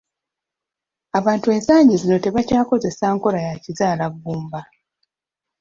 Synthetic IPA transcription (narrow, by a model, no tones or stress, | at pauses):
aβaːntue̞ːnsaːɲɟizino̞te̞βacaːko̞ze̞saːŋko̞ɾajacizaːlaɡːuːmba